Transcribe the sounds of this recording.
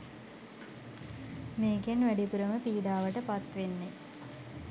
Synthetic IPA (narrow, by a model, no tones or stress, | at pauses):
meːɡenʋæɖipuɾəməpiːɖaːʋəʈəpat̪ʋenːe